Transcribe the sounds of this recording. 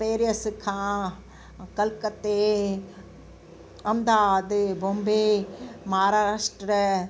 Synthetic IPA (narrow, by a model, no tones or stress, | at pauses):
peːɾijɐsɨkʰãː | kɐlkɐt̪ːeː | ɐmd̪aːd̪bombeːmaːɾaːʂʈɾɐ